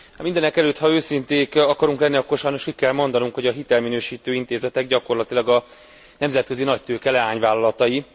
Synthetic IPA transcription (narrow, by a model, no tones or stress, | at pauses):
mind̪ɛnɛkɛløːt̪hɒøːsint̪eːkɒkɒɾuŋklɛnːiɒkːo̞rʃɒjno̞ʃkikːɛlmo̞nd̪ɒnuŋkho̞ɟɒɦit̪ɛlminøːʃiːt̪øːint̪eːzɛt̪ɛɡɟɒko̞rlɒt̪ilɒɡɒ | nɛmzɛt̪̚kø̞zinɒc̚t̪øːkɛlɛaːɲvaːlɒlɒt̪ɒji